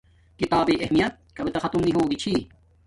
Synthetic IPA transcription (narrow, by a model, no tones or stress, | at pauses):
kit̪aːbeːʔɐhmijɐt̪̚kɐbit̪ɐxɐt̪umniɦoːɡit͡ɕʰi